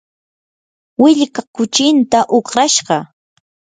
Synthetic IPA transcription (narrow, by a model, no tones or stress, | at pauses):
wɪʎkakʊt͡ʃɪnt̪aʔoχɾaʃɢɑ